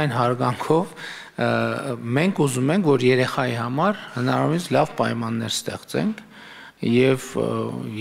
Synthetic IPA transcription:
jnɦɑɾɡɑŋkʰɔv | mɛŋkʰuzumɛŋkʰvɔɾjɛɾɛχɑjihɑmɑɾhənɑɾɑɾumit͡sʰlɑvpɑjmɑnːɛɾst̪ɛ̰χt͡sɛ̰ŋkʰ | jɛv

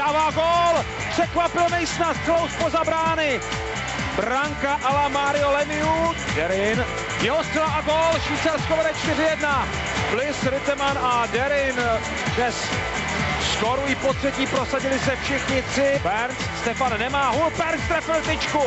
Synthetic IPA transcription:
daːvaːɡol | pr̝̥ɛkvapɪlmɛjsnasklowspozabɾaːnɪ | bɾaŋkaʔalamaːɾɪolɛmɪudɛɾɪn | jɛɦost̪rɛlaʔaɡolʃiːt͡sɛlskovɛɾɛt͡ʃt̪ɪrɪjɛdna | plɪsɾɪt̪ɛmanadɛɾɪn | dnɛs | skoɾuɪpot̪r̥ɛciːpɾosaɟɪlɪsɛfʃɪxɲɪt̪rɪbɛɾnsst̪ɛfanːɛmaːɦupɛɾkt̪ɾɛfɪlt̪ɪt͡ʃku

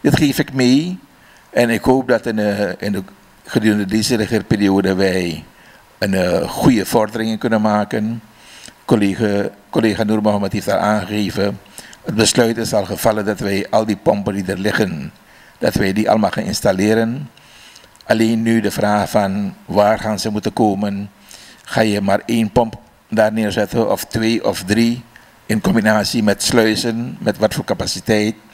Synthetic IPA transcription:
dɪtχeːfɪkmej | ʔɛnɪkɦowp̚dɑtɪnə | χədyːɾəndədezərɪχərpɪːrioːdəʋɛj | ənχujəvɔrdərɪŋənkɵnənmaːkən | koleːχanurmaməteːfta̰lˠʔaːnχɣeːvə | ət̚bəslœɥtɪsɑlˠχəv̥ɑləndɑtʋɛjʔɑlˠdipɔmpəndidərlɪχən | d̥ɑtʋɛjdiʔɑ̰ləmalxaːnɪ̰nstalɪːɾən | ʔaleːnːydəvraːχfɑnʋaːrχaːnzəmutənkoːmən | χaːjəmaːrenpɔmp | daːrnɪːɹzɛtənɔftʋeːʔɔfdri | ʔɪnkɔmbinaːsimɛtslœɥsənmɛtʋɑtfoːɹkapasitɛjt

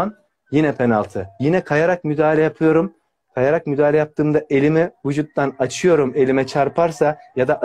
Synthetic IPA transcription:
n | jinɛpʰenalˠt̪ʰɯjinɛkʰajaɾak̚myd̪aːlʲɛjapʰɯjo̞ɾum | kʰajaɾak̚myd̪aːlʲɛjap̚t̪ʰɯːmd̪aʔe̞lʲimivud͡ʒut̪̚ːanat͡ʃʰɯjo̞ɾume̞lʲimɛt͡ʃʰaɾpʰaɾsajad̪aʔ

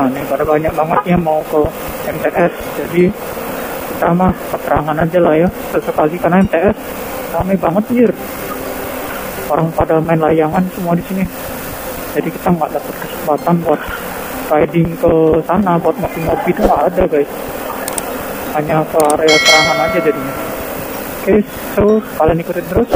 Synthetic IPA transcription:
anɪhpadabaɲak̚baŋət̪̚ɲamaukə | ɛmt̪eʔɛs | d͡ʒadi | kit̪amahkət̪əɾaŋanad͡ʒalahjasəsəkalikarnaɛmt̪eɛs | samajbaŋət̪̚ɪr | oɾaŋpadamaɪnlajaŋansəmuadisini | d͡ʒadikit̪aŋɡaʔdapət̪̚kəsəmbat̪anbuat̪̚ | kajdɪŋkəsanabuat̪̚masinmobit̪ʊŋɡaʔːdaɡajs | haɲakəaɾeat̪əɾaŋanad͡ʒad͡ʒadiɲa | kas | t̪əskalaŋikut̪ɪnt̪əɾʊs

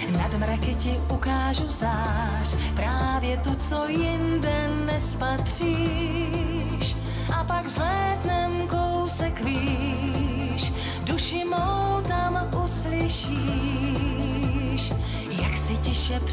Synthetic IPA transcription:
nadmɾakɪcɪʔukaːʒuzaː | ɾpɾaːvjɛt̪ut͡sojɪndɛ | nɛspat̪r̝̥iː | ʃ | ʔapaɡvzlɛːdnɛmkowsɛkviː | ʃ | duʃɪmowt̪amʔuslɪʃi | ʃ | jaksɪcɪʃɛp

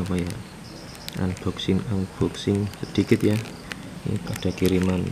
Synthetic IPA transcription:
wɔjaʔ | ʔa̰nb̥ɔ̤ksɪnanb̥ɔksɪnsəd̪̥ikɪt̪ja̰ | kaɖ̥a̤kiɾiman

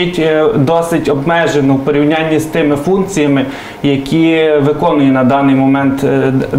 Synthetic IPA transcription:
itʲd̪ɔsɪtʲɔbmɛʒenɔwpɔɾʲiwnʲanʲːist̪ɪmɪfunkt͡sʲijɐmɪ | jɐkʲʰiʋɪkɔnʊjɛnɐd̪ɑnɪjmɔmɛnt̪

